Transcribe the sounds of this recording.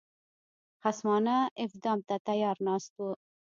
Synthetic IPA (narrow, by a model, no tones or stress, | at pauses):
χasmɑnaɪfd̪ɑmt̪at̪ajɑɾnɑst̪̚wu